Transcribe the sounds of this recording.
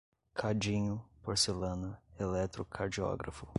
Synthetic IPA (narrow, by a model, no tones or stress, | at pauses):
kʰad͡ʒĩɲʊpoɾselɐ̃nɐelɛt̪ɾʊkʰaɾd͡ʒiɔ̰ɡɾa̰fʊ